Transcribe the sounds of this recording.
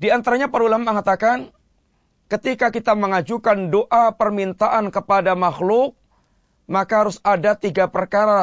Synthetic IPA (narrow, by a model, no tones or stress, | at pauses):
diant̪aɾaɲapaɾulaməŋat̪akan | kət̪ikakit̪aməŋad͡ʒukandoʔapərmint̪aʔankəpadamaxlʊk̚ | makaɦaɾʊsadat̪iɡapərkaɾa